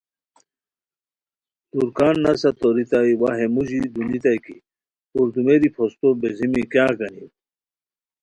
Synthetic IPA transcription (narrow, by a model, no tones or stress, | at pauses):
t̪uɾkaːnːɐsɐt̪oɾit̪aiwaɦemuʑid̪unit̪ajkḭ | tuɾd̪umeɾipʰost̪obezimikjaːkɐnḭ